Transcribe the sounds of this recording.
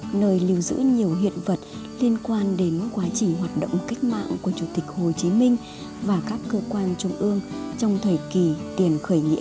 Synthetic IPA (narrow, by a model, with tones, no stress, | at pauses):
nəː˧jli˧əwzɨ̰˧˥ɲi˨˩əwɦḭ˧˨ənvə˨˩t̚li˧ənkwaː˧nɗe˨˦nkwaː˨˦t͡ɕï˨˩ŋ̟ɦwaː˨˩t̚ɗo̰˧˨wŋ͡mka˦˥jk̟̚ma̰ː˧˨ŋku˧˩ət͡ɕu˧˩t̪ï˨˩k̟̚ho˨˩t͡ɕi˨˦mï˧ŋ̟ | vaː˨˩kaː˦˥kːəː˧kwaː˧nt͡ɕʊ˧ŋ͡mʔɨ˧əŋt͡ɕɔ˧wŋ͡mt̪ʰəː˨˩jki˨˩t̪i˨˩ənxəː˧˩jŋḭ˧˥ə